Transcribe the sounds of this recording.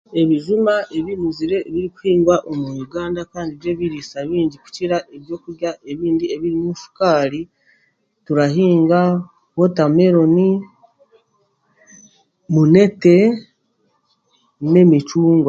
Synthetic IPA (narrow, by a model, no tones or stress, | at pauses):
e̞βiʒimaʔe̞βimiziɾe̞βiɾiku̥hiːŋɡwaʔo̞mujuɡaːndakaːndiβje̞βiɾisaβiːɲɟiku̥ciɾaʔe̞βjo̞ːkuɾjaʔe̞βiːndieβiɾimuʃu̥kaːɾi | tuɾaɦiːŋɡa | wo̞tame̞ɾo̞ni | mune̞te̞ | ne̞mit͡ʃuːŋɡwa